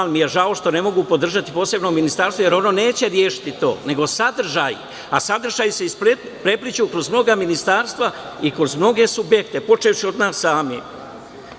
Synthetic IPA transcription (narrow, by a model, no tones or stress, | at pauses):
lmijeʒao̞ʃt̪o̞ne̞mo̞ɡupo̞d̪r̩ʒat̪ipoːse̞bno̞minist̪aɾst̪ʋoje̞ɾo̞no̞ne̞ːt͡ɕe̞ɾjeːʃi̥t̪it̪o̞̰ːne̞ɡo̞sad̪r̩ʒaːjḭ | asad̪r̩ʒaːjuse̞isp | pɾeplit͡ʃukɾo̞zmno̞ɡaminist̪aːɾst̪ʋa | ikɾo̞zmno̞ɡe̞subjekt̪e̞po̞t͡ʃejuʃio̞d̪naːsːaːmjḛ